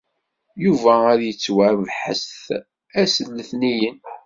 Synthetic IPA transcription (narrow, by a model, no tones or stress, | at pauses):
juvææɾjət͡sːwaɾvħə̰sθ | æsəlːəθnijən